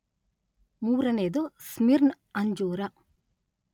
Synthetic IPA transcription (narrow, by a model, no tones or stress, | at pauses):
muːɾɐneːd̪osmiɾn | ɐɲd͡ʒuːɾɐ